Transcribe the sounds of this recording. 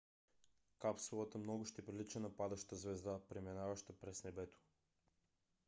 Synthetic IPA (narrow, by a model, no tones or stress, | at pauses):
kapsulˠat̪amnɔɡuʃt̪ipɾilit͡ʃɛnapad̪aʃt̪azvɛzd̪apɾɛmɛnavaʃt̪apɾɛsnɛbɛt̪o̥